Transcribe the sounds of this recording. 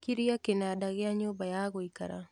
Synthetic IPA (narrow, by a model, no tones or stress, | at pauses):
kiɾiakenadaɣeaɲobajaɣoika̰ɾa̰